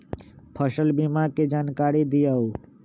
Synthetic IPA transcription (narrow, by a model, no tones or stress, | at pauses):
pʰəʃəlbimaɾked͡ʒaːnkaɾid̪ijau